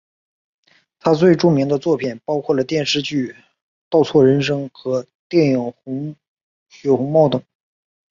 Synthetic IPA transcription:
t̪ʰa˥t͡swe˥˧ɪʈ͡ʂʊ˥˩ŋmi˧˥ŋd̪ə˧t͡swɔ˥˩pʰi˨˩npɑ˥ʊkʰwɔ˥˩lə˩t̪jɛ˥˧nʂɻ̩˥˧t͡ɕy˥˩ | t̪ɑ˥˧ʊt͡sʰwɔ˥˩ɻə˧˥nʂ̬ɤ˥ŋxɤ˧˥ | t̪jɛ˥˩njʊ˧˥ | ɕɥɛ˧˥xʊ˧˥ŋmɑ˥˩ʊt̪ɤ˨˩˦

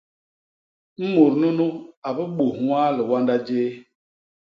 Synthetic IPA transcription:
m̩˦mo˨ɾnu˦nu˦a˨bə˦ɓo˨wa˦lə˨wa˦nda˦d͡ʒeː˦

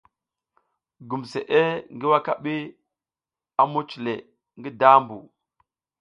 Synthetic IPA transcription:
ɡu˨mse˨ʔe˦ŋɡi˦wa˦ka˦ɓi˦ | a˦mu˦t͡ʃle˨ | ŋɡi˦da˦mbu˨

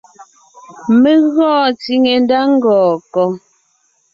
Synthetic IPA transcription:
me˦ɣɔː˦˨ti˨˦ŋe˨n˦da˦ŋ̩˦ɡɔː˨kɔ˨

